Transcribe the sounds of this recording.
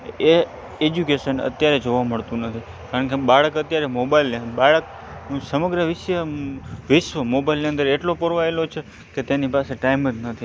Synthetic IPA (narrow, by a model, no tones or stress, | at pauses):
e | ed͡ʒukeʃənə̰t̪jaɾed͡ʒoʋaməɭt̪ũnət̪ʰi | kaɾəɳkebaɭəkət̪jaɾemobailnbaɭək | nũsəməɡɾəʋɪʃʋəʋɪʃʋəmobailniə̃nd̪əɾeʈlopəɾʋaelot͡ʃʰe | ket̪enipaseʈaiməd͡ʒnət̪ʰi